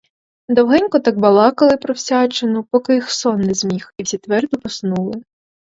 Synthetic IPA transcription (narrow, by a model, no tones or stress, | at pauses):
d̪ɔwɦɛnʲkɔt̪ɑɡ̚bɐlˠɑkɐlˠɪpɾɔwsʲɑt͡ʃenʊpɔkɪjxsɔnːɛzmʲixiwsʲit̪ʋɛrd̪ʊpɔsnulˠɪ